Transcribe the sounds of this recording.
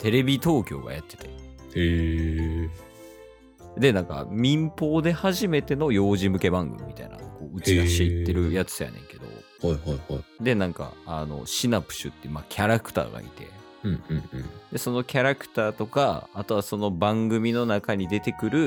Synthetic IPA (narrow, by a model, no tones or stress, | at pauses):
t̪e̞ɾe̞bʲit̪o̞ːkʲo̞̰ːɡa̰jat̪ːe̞t̪e̥e | d̪e̞nãŋka̰mʲĩmpo̞ːd̪e̞haʑime̞t̪e̞no̞jo̞ːʑimɯ̟ke̞bãŋɡɯ̟mʲḭmʲi̥t̪aina̰ko̞ːɯ̟t͡ɕiɡaɕeit̪ːe̞ɾɯ̟jat͡sɨ̥ja̰nẽ̞̰ŋke̞d̪o̞̰ | haihaihaid̪e̞nãŋka̰ano̞̰ɕinapɯ̟̥ɕɨ̰t̪ːemakʲʰaɾakɯ̥t̪a̰ːɡa̰ḭt̪e̞̰ | ɯ̟̃ɯ̟̃d̪e̞so̞no̞kʲaɾakɯ̟̥t̪aːt̪o̞ka̰ːt̪o̞βaso̞no̞bãŋɡɯ̟mʲino̞nakaɲ̟id̪e̞t̪e̞kɯ̟ɾɯ̟